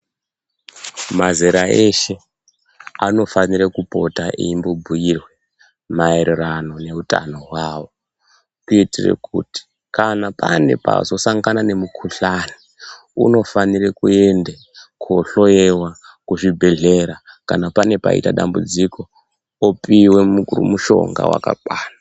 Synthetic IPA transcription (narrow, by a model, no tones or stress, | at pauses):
mazeɾaʔeʃe̞ | ano̞faniɾekupo̞̰taʔḭimbobʱuirwe | mae̞ɾerano̞ne̞uta̰no̞ɦwaːwo̞ | kiitirḛkṵti̥ | kanapa̰ne̞̰pa̰zo̞saŋɡanane̞mukʰuɬani | ṵno̞fanirekue̞nde | koɬo̞jewa | kuʐibʱe̞ɮeɾakanapane̞pa̰ḭtaɗambud͡ziko̞ | opiwe̞mukurṵmuʃo̞̰ŋɡa̰wa̰ka̰kwaːna